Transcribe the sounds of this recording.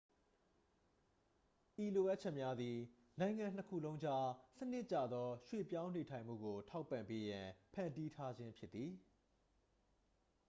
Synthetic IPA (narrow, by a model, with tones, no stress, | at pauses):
ʔi˨lo˨ʔa˦ʔ̚t͡ɕʰɛ˦ʔmja˦d̪ði˨ | nã˨ɪ̃ŋã˨n̥əkʰṵ˦˨lõ˦ʊ̃ɲd͡ʑa̰˦˨sə˦nɪ˦ʔt͡ɕa̰˦˨d̪ɔ˦ʃwḛ˦˨pjã˦ʊ̃ne˨tʰã˨ɪ̃m̥ṵ˦˨ɡo˨tʰa˦ʊpːã˨mpe˦jã˨pʰã̰˨ndi˦tʰa˦d͡ʑɪ̃˦mpʰjɪ˦t̪ːi˨